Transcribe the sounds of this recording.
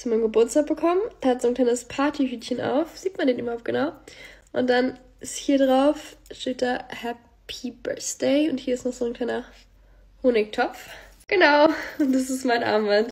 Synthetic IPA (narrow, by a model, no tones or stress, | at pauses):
sumaɪmɡəbʊɐt͡staːk̚b̥əkʰɔmənhatz̥oːnkl̥aɪnəspʰaɐtʰiɦyːtçənʔa̰ʊfz̥iːtmandeːnʔybɐhaʊp̚t̚ɡ̥ənaʊʔʊnt̚d̥an | ʔɪsthiːɐdʁaʊfʃteːt̚d̥aːɐhɛ | pʰib̥ɜ̰ɐsd̥ɛɪʊnthiːɐɪstnɔχz̥oːnkʰl̥aɪnɐ | hoːnɪk̚tʰɔpp͡fɡ̥ənaʊʊnd̥as̬ɪstmaɪnʔa̰ːmmant